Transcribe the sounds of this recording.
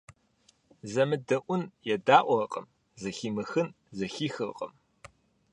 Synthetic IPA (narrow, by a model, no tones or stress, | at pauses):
zɐmɨdɐʔʷʊnjɛdaːʔʷɔqʼəm | zɐxiːmɨxɨn | zɐxiːxɨrqʼə̰m